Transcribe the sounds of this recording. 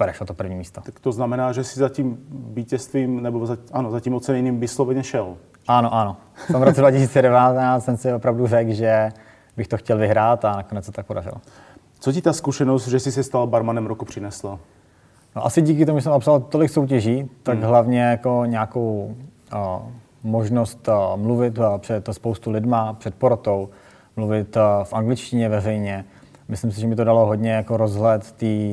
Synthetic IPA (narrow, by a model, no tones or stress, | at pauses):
pɾɛʃlot̪opr̩vɲiːmiːst̪oakt̪oznamɛnaːʒɛsɪzaciːmviːcɛst̪viːmnɛbozaʔanozaciːmot͡sɛnɛniːmvɪslovɛɲɛʃɛl | ʔanoʔano | tt̪omvɾot͡sɛdvacɪs̬iːt͡sɛdɛvaːt̪ɛnaːt͡ssɛmsɪopɾavdurɛɡʒɛ | bɪxt̪oxcɛlvɪɦɾaːt̪anakonɛt͡ssɛt̪ot̪akpodarɪ̰lo | t͡socit̪aːskuʃɛnosd̪ʒɛsɪsɛst̪albaɾmanɛmɾokupr̝̥ɪnɛsla | no̞ʔasɪɟiːk̬ɪt̪o̞muʒɛs̬ɛmapsalt̪o̞lɪkso̞wc̬ɛʒiːt̪aɡɦlavɲɛjako̞ɲaːko̞w | moʒno̞st̪mluvɪt̪pr̝̥ɛt̪spowst̪ulɪdmapr̝̥ɛt̪̚poɾot̪o̞w | mluvɪt̪fʔaŋɡlɪt͡ʃcɪɲɛvɛrɛjɲɛ | mɪslɪms̬ɪʒɛmɪt̪odalo̞ɦo̞dɲɛjako̞ɾo̞zɦlɛt̪ːiː